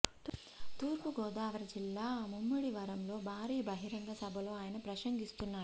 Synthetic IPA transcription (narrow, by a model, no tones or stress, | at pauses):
t̪ | t̪uːɾkuɡoːd̪aːɐʋɐɾɐd͡ʒilːamumːɐɽiʋɐɾɐmloːbaːɾiːbɐɦiɾɐŋɡ̪ɐsɐbʱɐloːaːjɐnɐpɾɐʃɐŋɡist̪unːaː